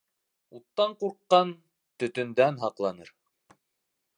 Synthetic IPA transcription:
ut̪ːɑɴquɾqːɑn | t̪ɵ̆t̪ɵ̆nd̪ænɦɑqlˠɑnɤɾ

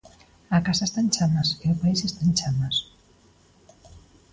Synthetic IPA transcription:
akasaest̪ant͡ʃamaseʊpaisest̪ant͡ʃamas

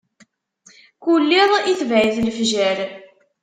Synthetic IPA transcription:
kulːiðˤiθvæʕiðlfʒæɾ

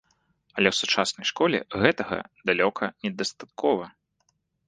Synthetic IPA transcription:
ɐlʲɛwsut͡ʂasnɐjʂkɔlʲɛ̰ɣɛt̪ɐɣɐ̰d̪alʲɔkʰɐnʲɛd̪ɐst̪at̪̚kʰɔvɐ

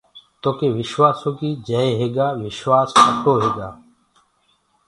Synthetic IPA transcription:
t̪oːkeːʋɪʃwaːsõːkiːd͡ʒəeːɦeːɡaːʋɪʃwaːspəʈoːɦeːɡaː

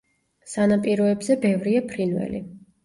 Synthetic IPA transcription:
sanapʼiɾɔɛbzɛbɛvɾiapʰɾinvɛ̰lḭ

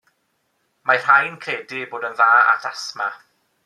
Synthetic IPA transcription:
mar̥ajnkʰeːdɪboːdənðaːa̰tʰasma

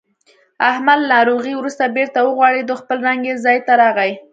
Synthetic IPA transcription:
ahmalnɑɾoɣiwɾust̪abeɾt̪awəɣwɑɽid̪oxpəlɾaŋɡezɑjt̪aɾɑɣaj

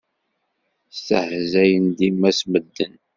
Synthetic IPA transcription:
stəhzæjənd̪imæsməd̪ːən

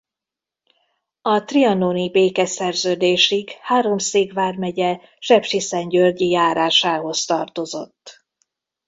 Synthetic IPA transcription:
ɒt̪riɒnoːnibeːkɛsɛrzøːd̪eːʃiɡhaːɾo̞mseːɡʋaːrmɛɟɛ | ʃɛpʃisɛɲɟørɟijaːɾaːʃaːɦo̞st̪ɒrt̪o̞zo̞̰t̪ː

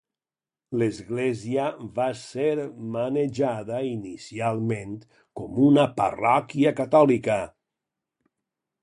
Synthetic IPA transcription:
lezɣleziəβaseɾməneʒaðəinisialˠment̪ | kɔmunəpə̰rɔkiəkat̪ɔlikə

